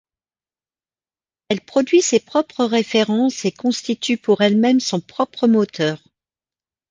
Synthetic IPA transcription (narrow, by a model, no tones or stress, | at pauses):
ɛlpχɔd̪ɥisepχɔpχəʁefeʁɑ̃sekɔ̃st̪it̪ʰypuʁɛlmɛmsɔ̃pχɔpχəmɔt̪ʰœːʁ